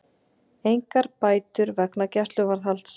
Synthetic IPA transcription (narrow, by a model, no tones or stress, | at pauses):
ejŋkaɾpaːjt̪ʏɾvɛknacɛst̪lʏvaɾθal̥t̪s